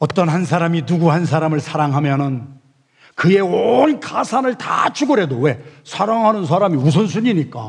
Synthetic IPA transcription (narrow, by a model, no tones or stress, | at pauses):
ʌt͈ʌnɦansʰaɾaminuɡuɦansʰaɾamɯɭsʰaɾaŋɦamjʌnɯn | kɯe̞onkasʰanɯɭta̰t͡ɕʰuɡɯɾɦe̞dowe̞sʰaɾaŋɦanɯns̬ʰaɾamius̬ʰʌns̬ʰuɲiɲik͈a